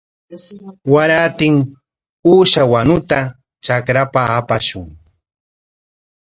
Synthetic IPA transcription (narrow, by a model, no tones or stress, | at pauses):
waɾaːt̪ɪŋ | uːʃawanʊt̪a | t͡ʃakɾapaːpaʃʊŋ